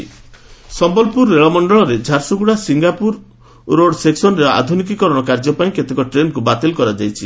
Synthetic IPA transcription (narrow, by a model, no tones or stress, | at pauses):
sɔmbɔlpuɾeɭɔmɔɳɖɔɭɔɾed͡ʒʱaɾsuɡuɽasiŋɡapuɾ | ɾoɽseksɔnɔɾea̰d̪ʱunikikɔɾɔɽ̃ɔkaɾd͡ʒɔpaĩket̪ekɔʈɾenkubat̪elkɔɾad͡ʒajt͡ʃʰi